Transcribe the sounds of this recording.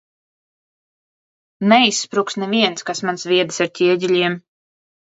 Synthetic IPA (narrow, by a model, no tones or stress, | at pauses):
nɛisːpɾuksnɛviɛnskasmansvʲiɛd̪ɨsaɾt̪ʲiɛɟʲilʲiɛm